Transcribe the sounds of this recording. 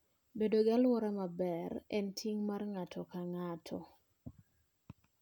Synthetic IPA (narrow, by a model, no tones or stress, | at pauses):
bedoɡalwɔɾamabɛrɛntʰiŋmarŋatʰɔkaŋatʰɔ